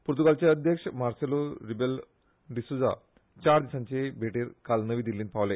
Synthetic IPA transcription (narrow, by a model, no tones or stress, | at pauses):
puɾt̪uɡaːlt͡ɕeɐd̪ʱjɐkʂɐmaːɾsɐloɾibel | ɖisud͡za̰ | t͡ɕaːɾd̪isɐnt͡ɕebʱeːʈiɾkaːlnɐʋid̪ilːinpaːʋle